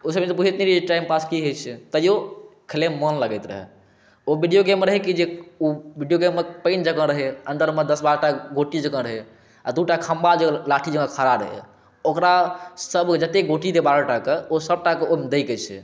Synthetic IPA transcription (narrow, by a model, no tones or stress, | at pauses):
osəet̪eput͡ʃʰet̪niɾid͡ʒeʈaɪjmpaskiɦejt͡ʃʰɛt̪əjokʰəlemːənləɡɛjt̪ɾə̰ɦɛ̰ | obiɖijoɡemːeɾəɦɛkid͡ʒeubʱiɖijoɡemːepəɪnd͡ʒəkə̃ɾəɦɛənd̪əɾmed̪əsbaɾʈaɡoʈid͡ʒəkə̃ɾəɦe | ad̪uʈakʰambad͡ʒelaʈʰid͡ʒəkə̃kʰaɾaɾə̰ɦɛ̰ | okɾasəbd͡ʒət̪eɡoʈiɾebaɾəʈakeosəb̚ʈakeomed̪eɪket͡ʃʰɛ̰